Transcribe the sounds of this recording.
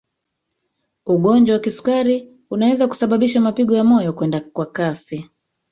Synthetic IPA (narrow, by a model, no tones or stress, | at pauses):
uɠɔnd͡ʒwawakisu̥kaɾi | unawɛzaku̥saɓaɓiʃamapiɠɔjamɔjɔkwɛndakwakasi